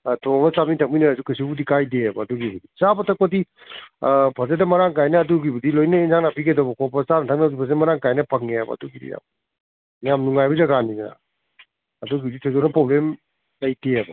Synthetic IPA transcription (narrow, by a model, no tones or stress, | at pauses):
tʰɔŋɐsamitʰak̚mijnɐːzukasibudikajdeɐbɐːduɡibudisabɐtʰɐk̚pɐdi | pʰɐzedɐmɐɾaŋkajnɐːduɡibudilojnɐinzaŋnapʰikedɔbɐkʰɔpɐsanɐtʰaŋnazupʰɐzeɐmɐɾaŋkajnɐpʰɐŋeabɐ̰ːduɡidḭja̰m | jamnuŋajbuzaɡaninna̰ː | duɡibditʰezɔnɐpɾɔblem | lɐjteabɐ